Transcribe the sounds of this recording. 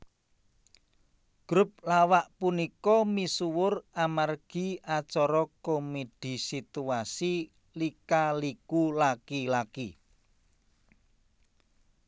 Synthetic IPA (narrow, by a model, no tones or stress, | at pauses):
ɡ̥ɾʊp̚lawaʔpunikɔmisuwʊramarɡ̥i̤ʔat͡ʃɔɾɔkomeɖ̥i̤sit̪uasi | likalikulakilaki